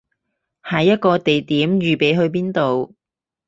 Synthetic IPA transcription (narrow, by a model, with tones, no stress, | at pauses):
hɐ˨˥jːɐ˥t̚kɔː˧t̪e˨jt̪iː˨˥mjyː˨pe˨˥jɦɵ˧ɥpiː˥nt̪o˨w